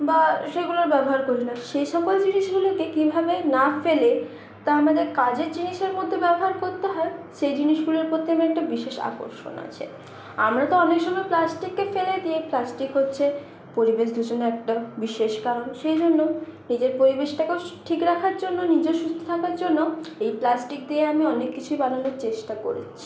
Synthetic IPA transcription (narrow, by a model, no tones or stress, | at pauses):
baʃeɡuloɾbɛboɦaɾkoɾinaʃejʃɔkoed͡ʑiniʃɡulokekibʱabenafele | t̪aamad̪eɾkad͡ʑeɾd͡ʑiniʃeɾmod̪ʱːebɛboɦaɾkoɾt̪eɦɔeʃejd͡ʑiniʃɡuleɾpot̪ːeamɛk̚ʈabiʃeʃa̰ko̰ɾʃo̰na̰t͡ɕʰḛ | amɾat̪oɔnekʃɔmɔeplasʈikːefeled̪ieplasʈikɦotːɕʰe | poɾibeʃd̪ʱud͡ʑonːoɛk̚ʈabiʃeʃkaɾonʃejd͡ʑonːonid͡ʑeɾpoɾibeʃʈakeʈʰikɾakʰaɾd͡ʑonːonid͡ʑeɾʃust̪ʰo̥t̪ʰakaɾd͡ʑonːoejplasʈik̚d̪ieamiɔnekːit͡ɕʰuibananoɾt͡ɕeʃʈako̰ɾḛt͡ɕt͡ɕʰi̥